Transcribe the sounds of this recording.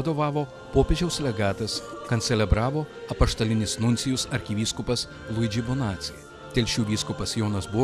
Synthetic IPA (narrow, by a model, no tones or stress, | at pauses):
ɐd̪oːʋɑːʋoː | poːpʲeːʒʲɛʊslʲɛɡɑːt̪ɐskɐnt̪sʲɛlʲɛbɾɑːʋoː | ɐpɐʃt̪ɐlʲɪnʲɪsnʊnʲtsʲɪjʊsɐɾʲkʲɪʋʲiːskʊpɐs | lˠʊɪd͡ʒʲɪbonɑːt̪sʲɪj | t̪ʲɛlʲʃʲuːʋʲiːskʊpɐsjoːnɐsbʊ